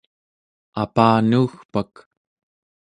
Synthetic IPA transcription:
apaːnuːxpak

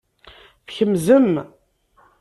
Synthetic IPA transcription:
fçəmzəm

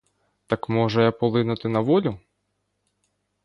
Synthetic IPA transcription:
t̪ɐkmɔʒɛjapɔlˠɪnʊt̪ɪnɐʋɔlʲʊ

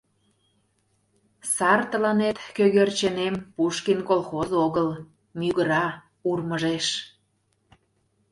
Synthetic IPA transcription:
sɑrt̪əlɑnet̪køɣørt͡ɕenempuʃkinkolxozoɣəl | myɣəɾɑ | urməʒeʃ

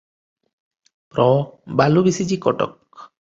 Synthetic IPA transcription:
pɾɔbalubisit͡ʃikɔʈɔ̰k

